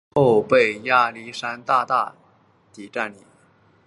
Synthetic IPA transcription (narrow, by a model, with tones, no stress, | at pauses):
o˥˧ʊpe˥˩ɪja˥˩li˧˥ʂa˥nt̪a˥˧t̪a̰˥˩ | t̪i˨˩ʈ͡ʂa˥˩nḭ˨˩˦